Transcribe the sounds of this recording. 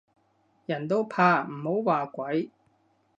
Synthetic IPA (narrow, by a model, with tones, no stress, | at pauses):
jɐ˨˩nt̪o˥wpʰaː˧m̩˨˩ho˨˥wwaː˨˩kʷɐ˨˥j